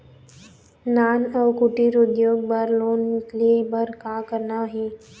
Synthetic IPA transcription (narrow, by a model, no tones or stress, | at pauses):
nanəwkuʈiɾoɡjoɡ̚baɾlonlebəɾkakəɾnaɦe